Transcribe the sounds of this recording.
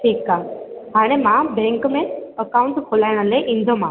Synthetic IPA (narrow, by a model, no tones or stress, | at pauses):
ʈʰiːkːaɦaɽ̃emabeŋkmẽəkawuɳʈkʰolajɽ̃əleʔind̪ʱoma